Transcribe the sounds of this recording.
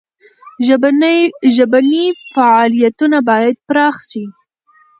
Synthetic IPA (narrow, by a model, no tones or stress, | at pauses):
ʒəbanifaʕɑlijat̪unabɑjad̪̚pɾɑxʃi